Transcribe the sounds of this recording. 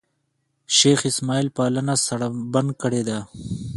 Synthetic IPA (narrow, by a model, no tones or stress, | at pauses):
ʃexɪsmɑːilpɑːlənasɐɽabɐnd̪̚kəɽed̪a